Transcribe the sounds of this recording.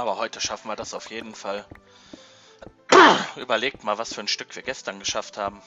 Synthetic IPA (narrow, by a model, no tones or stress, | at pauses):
ʔʔaːbɐhɔʏtʰəʃafn̩viːɐdasaʊfjeːdn̩fal | ʔyːbɐleːk̚tmaːlvasfyːɐnʃtʏkv̥iːɐɡɛstɐnɡəʃafthaːbm̩